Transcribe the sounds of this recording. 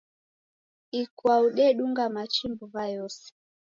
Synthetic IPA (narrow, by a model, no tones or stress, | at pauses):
ikwauɗɛɗuŋɡamat͡ʃimbuβajɔsɛ̥